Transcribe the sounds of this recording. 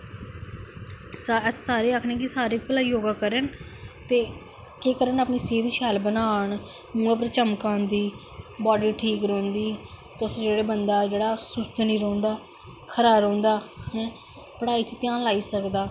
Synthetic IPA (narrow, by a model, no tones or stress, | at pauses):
saɛsːaːɾeːakʰnẽːkɪsaːɾeːpəlaːiːoːɡaːkəɾənt̪eː | keːkəɾənaːpniːsiːɾiːʃʰɛːlbənaːɳ | mũːãpɾət͡ʃəmkãːnd̪iː | bɔːɖiːʈʰiːkɾõːnd̪iːt̪ʊsd͡ʒeːɽeːbənd̪aːd͡ʒeːɽaːsʊst̪nĩːɾõːnd̪aː | kʰəɾaːɾõːnd̪aːɦɛ̃ː | pəɽaːiːt͡ʃt̪ɪjãːnlaːiːsəkd̪aː